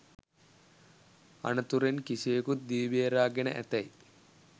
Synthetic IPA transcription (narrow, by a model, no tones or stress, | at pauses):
ɐ̰nɐt̪uɾenkiseːkut̪̚d̪iːʋeːɾaːɡenɐ̰ʔɛ̰t̪ɐj